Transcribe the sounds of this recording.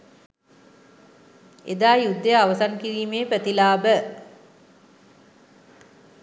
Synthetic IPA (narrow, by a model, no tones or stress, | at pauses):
ed̪aːjud̪ːəjəaʋəsaŋkiɾiːmeːpɾət̪ilaːbə